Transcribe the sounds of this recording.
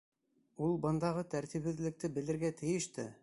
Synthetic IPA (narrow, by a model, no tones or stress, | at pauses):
ulˠbɤ̆nd̪ɑʁɤt̪æɾt̪iβhɘ̆ðlɘ̆k̚t̪ɘbɘ̆lɘ̆ɾɡæt̪ʰɘ̆jɘ̆ʃt̪ɘ